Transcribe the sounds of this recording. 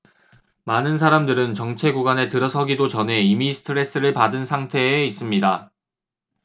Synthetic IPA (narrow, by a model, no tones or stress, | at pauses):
manɯnsʰaɾamdɯɾɯnt͡ɕʌŋt͡ɕʰe̞ɡuɡwane̞tɯɾʌsʰʌɡidot͡ɕʌnɦe̞imisʰɯ̥tʰɯɾe̞s͈ɯɾɯɭpadɯnsʰaŋtʰe̞ːis͈ɯmɲida